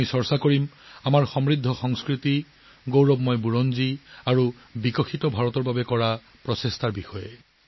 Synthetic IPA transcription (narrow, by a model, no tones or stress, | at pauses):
isɔɹsakoɹimamaɹxɔmɹid̪ʱːɔxɔŋskɹit̪i | ɡowɹɔbmɔjbuɹɔnziaɹu | bikɔxʰitɔbʱaɹɔt̪ɔɹbabɛkɔɹa | pɹɔsest̪ʰaɹbixɔje